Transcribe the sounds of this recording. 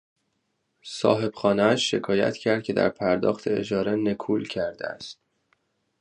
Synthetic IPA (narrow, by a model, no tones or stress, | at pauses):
sɒ̰ːɦe̞b̥xɒːneæʃːe̞kʰɒːjæ̰t̪cʰæɾd̪̚cʰe̞d̪æ̰ɾpʰæɾd̪ɒ̰ːxt̪ʰe̞ed͡ʒɒːɾe̞nekʰuːlcʰæɾd̪ḛæ̰st̪̚